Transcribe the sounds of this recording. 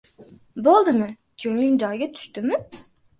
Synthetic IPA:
bolˠd̪ɨmɪ | kʲʰɵŋlɪŋnd͡ʒɑjɡʲɛt̪ʰy̥ʃt̪ɪmɪ

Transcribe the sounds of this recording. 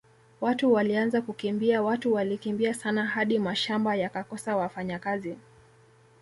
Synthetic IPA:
watuwalianzakukimbiawatuwalikimbiasanaɦaɗimaʃambajakakɔsawafaɲakazi

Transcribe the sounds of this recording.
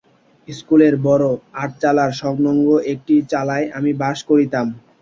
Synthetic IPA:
skuleɾbɔɾoaʈ̚t͡ɕalaɾʃɔknoŋɡoʔek̚ʈit͡ɕalaeʔamibaʃkoɾit̪am

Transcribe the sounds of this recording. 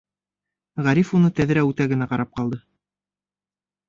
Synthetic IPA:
ʁæɾifunɤt̪æðɾæʉt̪æɡɘ̆næqɑɾɑp̚qɑlˠd̪ɤ

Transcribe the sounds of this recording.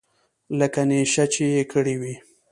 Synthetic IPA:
ləkaneʃat͡ʃejekʰəɽiwi

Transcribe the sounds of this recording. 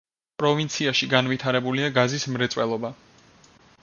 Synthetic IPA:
pʼɾɔvint̪sʰiaʃiɡanvit̪ʰaɾɛbuliaɡazismɾɛt̪sʼwɛlˠɔba

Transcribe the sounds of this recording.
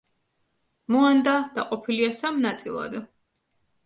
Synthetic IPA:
mɔand̪ad̪aqʼɔpʰiliasamnat̪sʼḭlˠa̰d̪

